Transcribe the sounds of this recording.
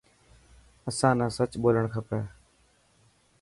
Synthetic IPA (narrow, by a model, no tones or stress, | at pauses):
əsãːnãːsət͡ʃɓoːləɳkʰəpɛː